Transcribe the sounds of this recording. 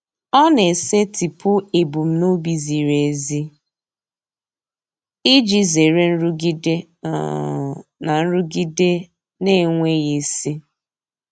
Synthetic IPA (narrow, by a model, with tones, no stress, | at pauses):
ɔ˦ne˨se˦ti˨pʊ˦e˨bu˨m̩˦no˦bi˨zi˨ɾe˨zi˦ | i˦d͡ʒi˦ze˨ɾe˦n̩˦ɾu˦ɡi˦dḛ˦˨ | na˨n̩˦ɾu˦ɡi˦de˦ | ne˦˨ŋʷe˦ɣe˨si˦